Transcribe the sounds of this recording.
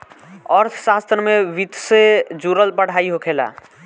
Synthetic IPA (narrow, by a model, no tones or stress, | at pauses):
əɾt̪ʰsast̪ɾəmeʋit̪sed͡ʒuɾəlbəɽ̤aiɦokʰela̰